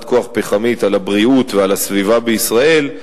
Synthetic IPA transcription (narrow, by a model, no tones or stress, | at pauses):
t̪̚ko̞aχpeχamit̪alabʁiut̪vealasvivabeisʁae̞l